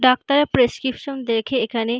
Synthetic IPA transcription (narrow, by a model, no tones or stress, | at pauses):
ɖak̚t̪aɾepɾeskɾipʃond̪ekʰeekʰane